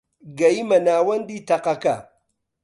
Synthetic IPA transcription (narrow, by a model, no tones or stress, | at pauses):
ɡajimanaːwɐnditaqaka̰